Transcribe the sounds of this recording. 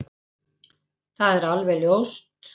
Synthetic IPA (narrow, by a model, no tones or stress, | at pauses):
θaðɛɾalvɛljowst̪